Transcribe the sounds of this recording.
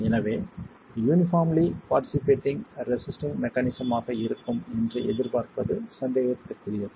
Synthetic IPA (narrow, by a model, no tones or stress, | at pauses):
ɛnɐʋeː | juːnɪfaːmlipaːɾʈːɪsɪpeːʈːɪ̃ŋɾɛsɪsʈɪ̃ŋmɛkːɐnɪsɐmaːɣɐɪɾɯkːɯmɛndrɐʔɛðɪɾpaːɾpɐðɯsɐnd̪eːɣɐt̪ːɯkːʊɾɪjɐðɯ